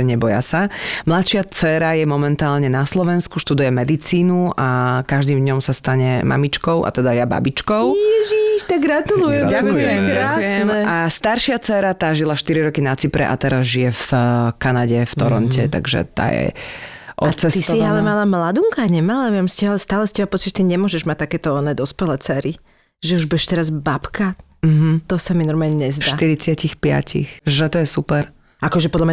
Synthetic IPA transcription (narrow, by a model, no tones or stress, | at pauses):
ɲɛbɔja̰samlat̪ʃɪat͡sɛɾajɛmɔmɛnt̪aːlɲɛnaslɔʋɛnskuʃt̪ud̪ujɛmɛd̪it͡siːnuakaʒd̪iːmvd̪ɲɔmsast̪aɲɛmʔa̰mit͡ʃkɔʊʔa̰t̪ɛd̪ajaba̰bit͡ʃkɔʊjɛʒiʃt̪aɡɾat̪ulujɛmɟakkjujɛmɟaakːujɛmɛast̪aɾʃɪat͡sɛɾat̪aːʒilaʃt̪iɾiɾɔkinat͡sipɾɛ̰ʔa̰t̪ɛɾazʒijɛfkanaɟɛft̪ɔɾɔntcʰɛt̪a̰ɡʒɛ̰t̪a̰ːjɛ̰ʔɔt͡sɛst̪isiɦalɛmalamlad̪uŋkaɲɛmalamiamscɛalɛst̪aːlɛscɛbapɔt͡siʒɛt̪iɲɛmʊɔʒɛʒmac̚t̪akɛːt̪ɔɔnɛːd̪ɔspɛlɛt͡sɛːɾi | ʒɛuʒbuɛʃt̪ɛɾazbapka | m̩ɦ̩t̪ɔsaminɔɾmaːlɲɛɲɛzdʃaːt̪iɾit͡sɪacixpɪa̰cḭxʒɛt̪ɔjɛsupɛɾ | ʔakɔʒɛpɔd̪lamɲa